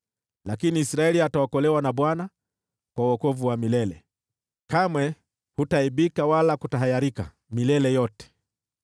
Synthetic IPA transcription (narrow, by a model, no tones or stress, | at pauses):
lakiniːsɾaɛliataɔkɔlɛwanaɓwana | kwauɔkɔvuwamilɛlɛ | kamwɛ | hutaiɓikawalakutaɦajaɾika̰ | milɛlɛjɔtɛ̥